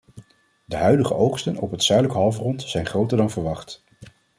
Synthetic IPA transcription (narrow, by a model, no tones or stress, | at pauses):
dəɦœɥdəχəʔowχstənɔpɦətsœɥdləkəɦɑlˠvrɔntz̥ɛjnχrowtəɹdɑnvəɹʋɑχt